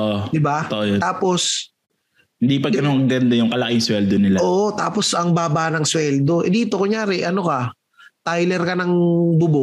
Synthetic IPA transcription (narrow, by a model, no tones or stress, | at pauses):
ʔod̪ɪbat̪oʔjot̪aːpo̞s | hɪnd̪ipɐɡɐnoŋɐŋɡɐnd̪ɐjʊŋkɐlɐkɪŋswɛld̪onɪlaoːʔot̪aːpo̞sɐŋbaːbaːnɐŋswɛld̪o̞ʔɛd̪iːt̪okʊŋjaːɾɛʔɐnokɐ | t̪ajlɛɾkɐnɐŋbʊbo